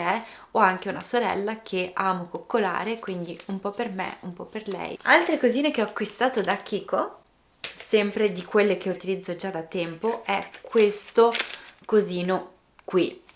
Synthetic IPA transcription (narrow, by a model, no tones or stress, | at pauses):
ɛɔaŋk̟eunasoɾɛ̰lːak̟ʰeaːmokokːola̰ːɾekwind̪iumpɔpːermḛumpɔpːerlɛ̰ja̰lt̪ɾekoziːnek̟eɔakːwist̪aːt̪od̪ak̟ʰːiːko | sɛmpɾed̪ikwelːek̟eut̪ilid̪zːod͡ʒad̪at̪ːɛmpoʔɛkwest̪okoziːno | kwi